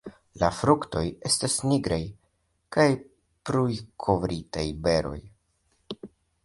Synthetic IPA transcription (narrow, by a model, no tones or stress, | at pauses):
lafɾukto̞je̞stasniɡɾaj | kaj | pɾujkʰo̞vɾitajbe̞ɾo̞̰j